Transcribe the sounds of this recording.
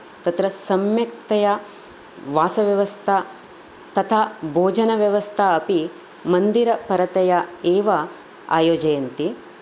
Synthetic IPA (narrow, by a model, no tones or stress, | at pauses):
t̪ɐt̪ɾɐsɐmjɐk̚t̪ɐjɐ | ʋaːsɐʋjɐʋɐst̪ʰɐ | t̪ɐt̪ʰaːbʱoːd͡ʒɐnɐʋjɐʋɐst̪ʰɐɐpi | mɐnd̪iɾɐpɐɾɐt̪ɐjɐeːʋɐ | a̰ːjoːd͡ʒɐjɐnt̪i